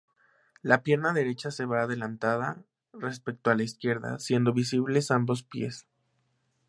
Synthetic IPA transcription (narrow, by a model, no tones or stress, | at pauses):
lapje̞ɾnaðe̞ɾe̞t͡ʃase̞βaːðe̞lant̪aða | re̞spe̞k̚t̪oalaiskje̞ɾða̰sje̞nd̪o̞βis̬iβle̞sambo̞s̬pje̞̰s